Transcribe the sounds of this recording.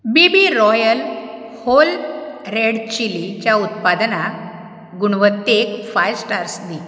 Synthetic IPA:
bibiɾɔjəl | holɾeɽt͡ɕilit͡ɕjaut̪̚pad̪na | ɡuɽ̃ʋət̪ːekfajsʈaɾsd̪i

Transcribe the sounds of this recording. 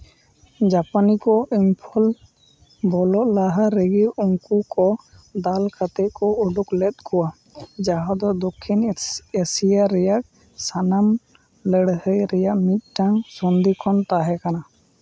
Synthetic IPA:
d͡ʒapanikɔʔimpʰɔl | bɔlɔʔlaɦaɾəɡiɾɔŋkukɔ | d̪alkʰat̪ɛkɔuɖuklɛt̪̚kʰuwa | d͡ʒaɦad̪ɔd̪ɔkʰːinesijaɾɛjaʔ | sanam | ləɽhəjɾɛjaʔmit̪̚ʈaŋsɔnd̪ikʰɔnt̪aɦɛkana

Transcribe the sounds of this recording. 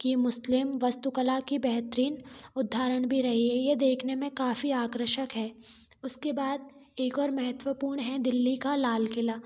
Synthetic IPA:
kimʊslɪmʋɐst̪ukəlakibɛɦt̪ɾiːnʊd̪ʱːaːɾəɽ̃bʱiɾɐɦiɦɛjed̪eːkʰnemẽkaːfiaːkɾəʃəkɦɛː | ʊskebaːd̪̚ | eːkɔːɾmɐɦət̪wəpuːɾɳ̃ɦɛd̪ɪlːikalaːlkɪlaː

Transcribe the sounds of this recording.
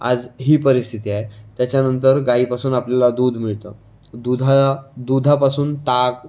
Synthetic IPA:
a̰d͡zɦiːpəɾist̪ʰit̪iːajt̪jat͡ɕjanənt̪əɾɡaiːpasuːnapljalad̪uːd̪ʱmiɭt̪ə | d̪ud̪ʱad̪ud̪ʱapasuːnt̪ak

